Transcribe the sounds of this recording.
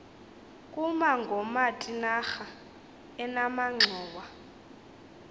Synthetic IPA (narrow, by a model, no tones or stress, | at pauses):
kʼumaŋɡʱɔmatʼinaxa | ɛnamaŋ͡ǁʱɔːwa